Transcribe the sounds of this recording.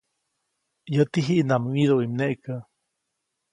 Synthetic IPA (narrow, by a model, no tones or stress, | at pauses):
jət̪iɦiʔnamwiðoʔimneʔkə